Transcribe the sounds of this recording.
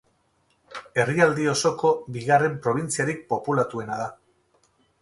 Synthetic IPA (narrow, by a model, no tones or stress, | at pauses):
e̞riald̪io̞so̞ko̞βiɣare̞mpɾo̞β̞int͡siaɾik̚po̞pulat̪ue̞naða